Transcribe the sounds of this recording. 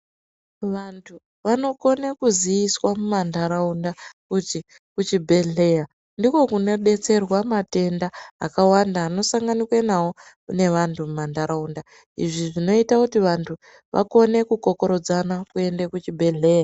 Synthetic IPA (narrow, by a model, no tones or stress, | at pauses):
ʋantʰu | ʋano̞ko̞nekuzijiswamumandaɾaundakut͡ʃi | kut͡ʃibʱe̞ɮe̞ja | ndiko̞kune̞ɗe̞t͡se̞rwamate̞ndaːkawandaːno̞saŋɡanikwenawo̞ | ne̞ʋantʰumumandaɾaunda | ḭʐiʐino̞itakutiʋantʰu | ʋʔa̰ko̞ne̞kuko̞ko̞ɾo̞d͡zanakue̞ndekut͡ʃibʱe̞ɮe̞ːja